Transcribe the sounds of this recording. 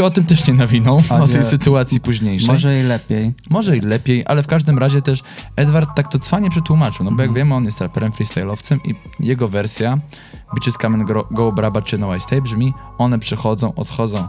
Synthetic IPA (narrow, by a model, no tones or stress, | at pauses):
ɔt̪ɘmt̪ɛʂɲɛnavʲinɔ̃w̃ɔt̪ɛjsɘt̪uat̪sʲjipuʑɲejʂɛɛlɛpʲjejmɔʐɛilɛpʲjejʔa̰lɛfkaʐd̪ɘmɾaʑɛt̪ɛʂɛd̪vaɾt̪ːak̚t̪ɔt̪sfaɲɛpʂɛt̪wumat͡ʂɨwnɔbɔjaɡvʲjɛmɘɔnjɛst̪ɾapɛɾɛmfɾʲist̪ajlɔft̪sɛmḭ | jɛɡɔvɛɾsʲja | bɨt͡ɕɛskamɛnɡɔwbɾabat͡ʂɨnɔwajst̪ajbʐmʲi | ɔnɛpʂɛxɔd̪zɔ̃w̃ɔ̰t̪xɔd̪ɔ̃w̃